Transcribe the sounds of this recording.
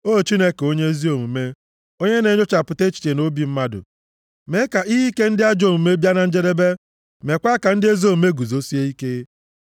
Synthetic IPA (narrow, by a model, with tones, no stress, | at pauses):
o˦˨t͡ʃi˦ne˦ke˨o˦ɲe˦zi˦o˨mu˨me˦ | o˦ɲe˦ne˨ɲo˦t͡ʃa˨pʊ˨te˦t͡ʃi̥˨t͡ʃe˨no˦bi˨m̩˦ma˦dʊ̰˨ | me˦ka˨i˦ɦi˦ke˦n̩˦dɪ˦a˦d͡ʒo˨mu˨me˦bja˦na˨n̩˦d͡ʒe˦ɾe˦be˦ | me˨kʷa˦ka˨n̩˦dɪ˦e˦zo˦˨me˦ɡu˨zo˦si˦e˦i˦ke˦